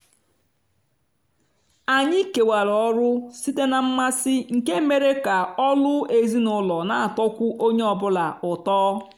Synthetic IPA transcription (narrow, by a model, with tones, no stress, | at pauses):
a˨ɲɪ˦ke˨wa˨ɾɔ˦ɾʊ˦si˦te˦na˨m̩˦ma˦sɪ˦ŋ̩˨ke˦me˨ɾe˦ka˨ɔ˦lʊ˦e˨zi˦nʊ˦lɔ˨na˨a˨tɔ˦kʷʊ˦ʔo˦ɲe˦ɔ˨bʊ˦la˨ʊ˨tɔː˦